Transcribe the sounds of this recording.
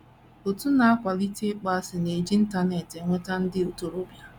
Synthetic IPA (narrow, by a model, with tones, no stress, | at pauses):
o˨tu˦na˨a˦kʷa˨li˦te˦k͡pa˦sɪ˨ne˨d͡ʒi˦n̩˦ta˨ne˨te˨ŋʷe˦ta˦n̩˦dɪ˦o˨to˨ɾo˦bja˦